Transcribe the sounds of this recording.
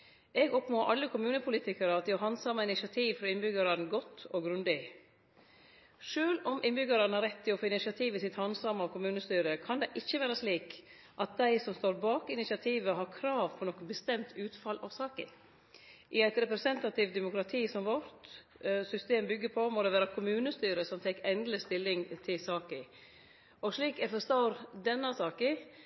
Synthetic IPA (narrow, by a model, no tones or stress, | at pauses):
ɛɡɔpnoːʔɑlːəkʰʊmʉːnəpʰʊliːt̪ɪkəɾəɑt̪ʊɦɑnsɑmːɑɪnɪʃɑt̪ʰiːʋfɾɔɪnbʏɡɑɾɑnɡɔt̪ːɔɡɾʉnd̪ɪ | ʂøːlɔmʔɪnbʏɡɑɾɑnhɑɾɛt̪ʰːɪlɔfoːɪnɪsɑt̪ʰiːʋɪsɪt̪hɑnsɑmːɑʋkʰʊmʉːnəst̪yːɾəkʰɑnd̪ɛʔɪçːəʋæːɾəsliːk | ʔɑt̪̚d̪æɪsɔmst̪oːɾbɑːkɪnɪsɪɑt̪ʰiːʋəɦɑɾkʰɾɑːʋpʰɔɾnɔkːnbəst̪ɛmt̪ʰʉːt̪fɑlʔɑʋsɑːkɪ̰ | ʔɪæɪt̪ɾɛpɾɛsɛnt̪ɑt̪ʰɪʋt̪d̪ɛmʊkɾɑt̪ʰiːsɔmʋɔɾt̪ | sʏst̪eːmbʏɡːəɾpʰɔmoːd̪ɛʋæːɾɑkʰʊmʉːnəst̪yːɾəsɔmfɛkɛnd̪ləst̪ɪlːɪŋt̪ʰɪlsɑːkɪ | ɔʂliːkɛɾfɔst̪ɑɾd̪ɛnːɑsɑːkɪ